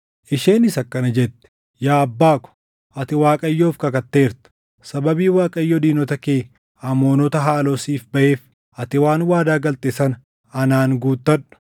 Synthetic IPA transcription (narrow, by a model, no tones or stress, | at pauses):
ʔɪʃeːnɪsɐkːɐnɐd͡ʒɛt̪ːɛ̥ | jaːɐbːaːkɔ̥ | ʔɐt̪ɪwaːkʼɐjːoːfkɐkɐt̪ːe̞ːɾt̪ɐ̥ | sɐbɐbiːwaːkʼɐjːɔd̪iːnɔt̪ɐkeː | ɐmo̞ːnɔt̪ɐɦaːloːsiːfbɐʔe̞ːf | ʔɐt̪ɪwaːnwaːd̪aːɡɐlt̪eːsɐn | ɐnaːŋɡuːt̪ːɐᶑʊ̥